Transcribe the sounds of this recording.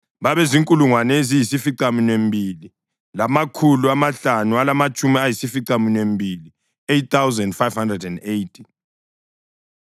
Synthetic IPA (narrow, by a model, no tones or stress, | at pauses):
βaβɛziŋkʼuluŋwanɛzijisifiǀaminwembʱili | lamakʰuluamaɬanualamat͡ʃʼumiajisifiǀaminwembʱili | etθawzɛndfajvhandrɛdɛndejtʰi̥